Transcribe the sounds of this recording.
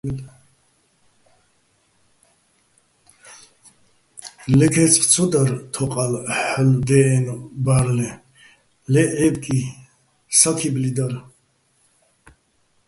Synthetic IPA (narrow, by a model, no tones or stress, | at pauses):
lɛkʰɛt͡sʰʼt͡sʰɔd̪aɾt̪ʰɔqʼalħld̪ɛːnbaɾlɛ | lɛʔɛbkʼi | sakʰiblid̪aɾ